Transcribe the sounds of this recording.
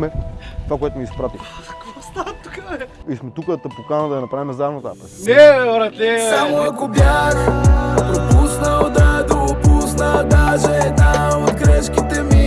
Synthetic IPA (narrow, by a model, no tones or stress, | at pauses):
mɛt̪vakoɔɛt̪umispɾat̪ikvɔst̪at̪ukɐiʃmet̪ukɐt̪ɐpukanɐd̪ɐnɐpɾamɛzanɐt̪a̰pɐnɛɔɾɐt̪nɛt̪amuɐkopjaɾ | upusnɐwd̪ad̪upusnɐd̪aʒẽt̪ɐ̃kɾɛʃkɪt̪emi